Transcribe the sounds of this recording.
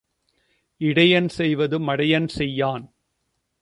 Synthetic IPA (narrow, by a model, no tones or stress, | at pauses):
ɪɽɐjɐnsɛjʋɐðɯmɐɽɐjɐnsɛjːaːn